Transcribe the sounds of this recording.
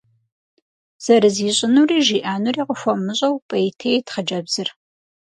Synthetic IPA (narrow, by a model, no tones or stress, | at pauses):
z̥ɐɾɨziːɕʼɪnuːriːʒiːʔaːnuriːqʼəxʷɔmɨɕʼɐwpʼɐjitʰejtχɐd͡ʒɐbz̥ɨr